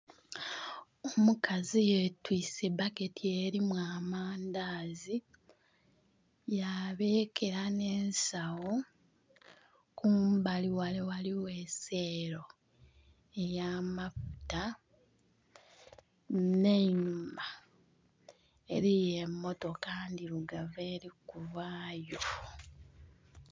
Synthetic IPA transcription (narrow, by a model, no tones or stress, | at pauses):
omukʰazijetwiːse̞bake̞tʰieɾimwaːmaːndaːzi | jaβe̞ːkʰe̞ɾane̞ːnsawo | kuːmbaliwalewaliwe̞se̞ːɾo̞ | e̞jaːmafu̥ta | ne̞ɲuma | e̞ɾijemːo̞to̞kaːndiɾuɡaveːɾikuvaːjo̞